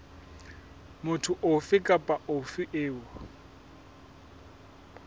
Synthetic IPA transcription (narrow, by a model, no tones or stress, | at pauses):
mʊtʰʊʔofɪkʼapʼaofɪʔeːʊ